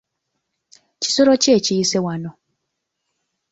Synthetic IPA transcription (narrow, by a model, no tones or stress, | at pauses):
ci̥soɾoceːciisewano